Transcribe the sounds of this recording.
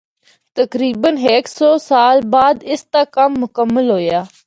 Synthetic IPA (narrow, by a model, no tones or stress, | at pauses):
t̪əkɾiːbənɦeːksɔːsaːlbaːd̪ɪst̪aːkɐmːʊkəmːəlɦoːjaː